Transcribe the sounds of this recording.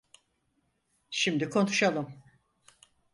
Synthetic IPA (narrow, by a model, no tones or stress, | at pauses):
ʃimd̪ikʰo̞nuʃalˠɯm